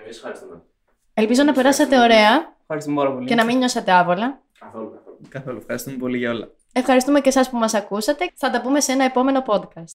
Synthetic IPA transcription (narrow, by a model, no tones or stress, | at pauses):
ɾis | e̞lpizo̞nɐpe̞ɾɐsɐt̪e̞o̞ɾe̞ɐ | xɐɾist̪umepaɾɐpolce̞nɐmiɲɲo̞sɐt̪e̞ɐpo̞lɐ | ɐolkɐθolufxɐɾist̪umepo̞liʝɐo̞lɐ̰ | e̞fxɐɾist̪umece̞sɐspumɐsɐkusɐt̪e̞θɐt̪ɐpume̞se̞nɐepo̞me̞no̞po̞d̪kɐst̪̚